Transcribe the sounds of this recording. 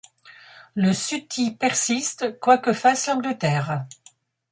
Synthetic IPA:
ləsyt̪ipɛʁsist̪kwakəfaslɑ̃ɡlət̪ɛːʁ

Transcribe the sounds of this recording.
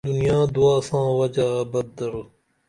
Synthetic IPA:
d̪ʊnijaːd̪uaːsãːwɐd͡ʒaːbɐd̪̚d̪ɐɾo

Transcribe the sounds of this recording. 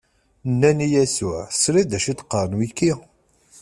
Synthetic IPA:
nːænijæsʊʕsɾid̪æʃit̪qːəɾˤənwikːi

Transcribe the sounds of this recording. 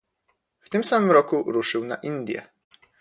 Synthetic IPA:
ft̪ɘmsamɘmɾɔkuɾuʂɘwna̰ʔind̪ʲjɛ̰

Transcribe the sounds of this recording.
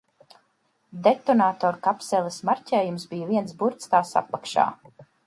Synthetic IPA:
d̪et̪ɔnaːt̪ɔːɾkapsɛlˠɛsmaɾcʲɛːjumsbijviɛnsbuɾt̪sk̪aːsa̰pːakʃa̰ː

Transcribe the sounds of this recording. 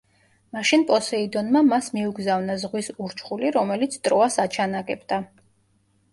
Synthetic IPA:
maʃinpʼɔsɛid̪ɔnmamasmiuɡzavnazʁwisuɾt͡ʃʰχuliɾɔmɛlit̪sʰt̪ʼɾɔasat͡ʃʰanaɡʼɛbd̪a

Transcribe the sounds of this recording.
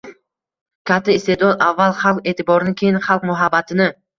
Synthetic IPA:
kʲʰat̪ʰːɪɪst̪e̞d̪ɒd̪avːalˠχalˠqe̞ːt̪ʰɪbɒɾɪnɪkʲʰejɪnχalˠq̚mʊɦabːat̪ʰɪnɪ

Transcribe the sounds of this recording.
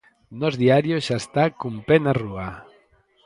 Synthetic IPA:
nɔzðiaɾjoʃaest̪akumpenarua

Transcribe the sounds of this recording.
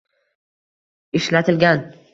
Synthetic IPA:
ɪʃlat̪ʰɪlɡʲan

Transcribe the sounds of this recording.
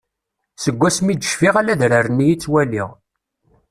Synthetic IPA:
səɡʷːæsmid̪əʃfiʁalæðɾərənːijit͡sːwælḭʁ

